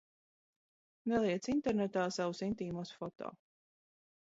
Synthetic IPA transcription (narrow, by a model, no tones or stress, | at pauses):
nɛlˠiɛt̪sint̪ɛɾnɛt̪aːsavusint̪iːmusfɔt̪ɔ̰ː